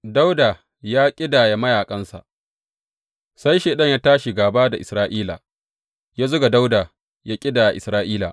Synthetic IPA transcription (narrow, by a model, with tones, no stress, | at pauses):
da˦wda˨ | jaː˦kʲʼɪ˦daː˨ja˨mɐ˦jaː˨kʼɐ˦nsa̰˨ʔ | sa˦jʃeː˨ɗɐ˦ɲjaː˦taː˦ʃi˨ɡaː˨baː˦da˨ʔɪ˨sɾaː˦ʔiː˦la̰ː˨ | jaː˦zʊ˦ɡa˨da˦wda˨ | jaː˦kʲʼɪ˦daː˨ja˨ʔɪ̰˨sɾaː˦ʔiː˦la̰˨ʔ